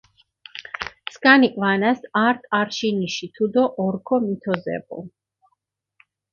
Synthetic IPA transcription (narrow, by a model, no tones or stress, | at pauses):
skʼanikʼvanasaɾt̪ʼaɾʃiniʃit̪ʰud̪ɔʔɔɾkʰɔmit̪ʰɔzɛ̰bɔ̰